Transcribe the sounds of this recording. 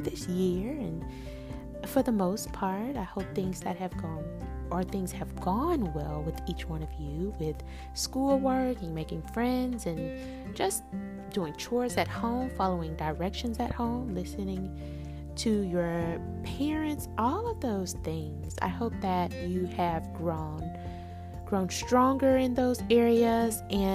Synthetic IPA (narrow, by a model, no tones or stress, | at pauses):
ðɪsjɪɹɨ̃n | fə˞ðəmoʊspʰɑɹɾaɪhoʊp̚θɪ̃ŋz̥ðɨt̚hɨvɡɔ̃nə˞θɪ̃ŋz̥ɨvɡɔ̃nwɛlˠwɪðit͡ʃwʌ̃ɾnʌvjʉwɪð̥ | skulˠwɜ˞kɨ̃nmeɪkɪ̃ŋfɹɛ̃ndzɨ̃n | d͡ʒʌs | d̥uɪ̃ŋt͡ʃʰɔɪsɨt̚hõʊ̃mfɑlˠoʊɪ̃ŋdə˞ɛkʃɨ̃nzɨt̚hõʊ̃mlɪsɨnɪ̃ŋ | tʰɨjə˞ | pʰɛɹɨ̃ntsʔɔlˠʌvðoʊz̥θɪ̃ŋz̥a̰ɪhoʊp̚ðɨt͡ʃɨɨvɡɹõʊ̃n | ɡ̥ɹõʊ̃nstɹ̥ɔ̃ŋɡə˞ɪ̃nðoʊzɛɹiɨzʔɨ̃